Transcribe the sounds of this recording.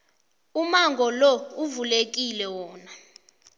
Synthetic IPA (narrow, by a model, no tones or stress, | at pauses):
umaŋɡʱɔlɔuvulek̬ilɛwɔːna